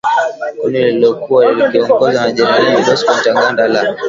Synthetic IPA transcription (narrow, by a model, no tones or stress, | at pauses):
kuniliilɔkuwalililiɔŋɡɔzwanaʄɛɾaiɗɔskɔntaŋɡandala